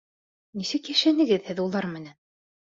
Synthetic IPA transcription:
nisɘkjæʃænɘ̆ɡɘðhɘðulˠɑɾmɘ̆næn

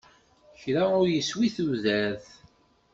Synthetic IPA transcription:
çɾaʊɾjəswiθuðæɾθ

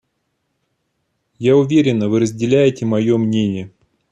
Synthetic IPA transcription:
jaʊvʲeɾʲɪnːəvɨɾəzʲdʲɪlʲæjɪtʲɪmɐjo̞mnʲenʲɪjə

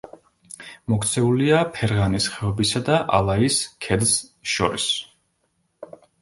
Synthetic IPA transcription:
mɔkʰt̪sʰɛuliapʰɛɾʁanisχɛɔbisad̪aʔa̰lˠaiskʰɛd̪sʃɔ̰ɾis

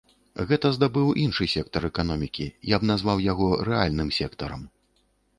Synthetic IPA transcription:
ɣɛt̪ɐzd̪abɨwʔinʂɨsʲɛk̚t̪ɐɾɛkan̪ɔmʲikʲijabnazvawjaɣɔɾɛalʲnɨmsʲɛkt̪ɐɾɐ̰m

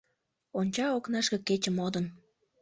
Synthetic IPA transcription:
onʲt͡ɕɑoknɑʃkə̆kːet͡ɕəmod̪ən

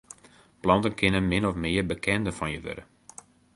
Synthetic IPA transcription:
plɑntənkʰɪnənmɪnɔfmɪːərbəkʰɛndəfɔnjəʋø̰ɾə

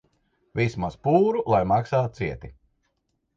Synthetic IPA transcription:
vismaspuːɾulˠajmaksaːt̪̚siɛt̪i

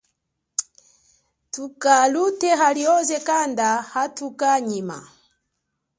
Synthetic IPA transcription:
tukalutɛɦaliɔzɛkandahatukaɲima̰

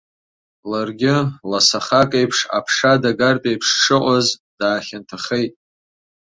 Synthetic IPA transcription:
larɡʲɪlasaχakʼejpʰʂa̰pʰʂadaɡarpʼejpʰʂʈ͡ʂʰɨqʷʼazd̥aːχʲantʰaχejtʼ

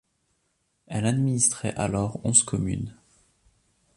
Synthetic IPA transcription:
ɛlad̪minist̪χɛ̰ʔalɔʁɔ̰̃skʰɔmy̰n

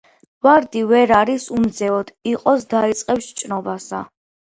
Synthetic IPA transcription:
vaɾd̪ivɛɾaɾisumd̪zɛɔd̪̥iqʼɔsd̪ait̪sʼqʼɛpsʃt͡ʃʼnɔbasa̰

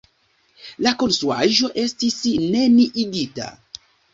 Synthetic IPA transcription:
lakonsuaʒo̞ʔe̞stisneniʔiɡita̰

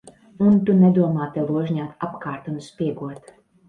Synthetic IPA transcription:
unt̪unɛd̪uɔmɑːt̪ɛlˠuɔʒɲʲaːt̪apkɑːɾt̪ɔnspʲiɛɡuɔt̪

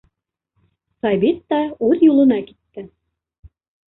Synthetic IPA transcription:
sɑβʲit̪ːɑʉðjulˠɤ̆nɑki̥t̪ːɘ

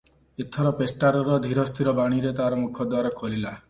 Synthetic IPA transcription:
et̪ʰːɔɾɔpesʈaɾɔɾɔd̪ʱiɾɔst̪ʰiɾɔbaɽ̃iɾet̪aɾɔmukʰɔd̪waɾɔkʰolila

